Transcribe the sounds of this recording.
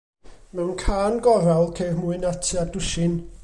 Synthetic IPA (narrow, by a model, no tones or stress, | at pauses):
mɛwnkʰaːnɡɔɾawlˠkʰeːrmuɨnatʰiadʊʃɪn